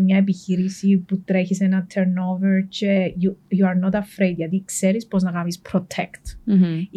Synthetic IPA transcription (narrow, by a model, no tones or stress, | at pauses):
mɲɐep̬içiɾisiput̪ɾeçisenɐt̪ʰeɾnoveɾcejujuɐɾnot̪ɐfɾejd̪ʝɐt̪ikseɾispoznɐkɐmispɾot̪ʰekt̪